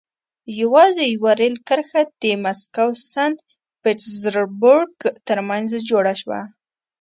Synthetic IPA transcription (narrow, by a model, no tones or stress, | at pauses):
jawɑzejwaɾelkəɾxad̪̥əmaskawsand̪ | pɪʈzɾboɾɡt̪əɾmanzd͡ʒoɽaʃwa̰